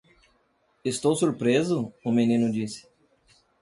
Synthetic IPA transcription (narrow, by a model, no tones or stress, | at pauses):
est̪owsuɾpɾezʊʊmenĩnʊd͡ʒisɪ̥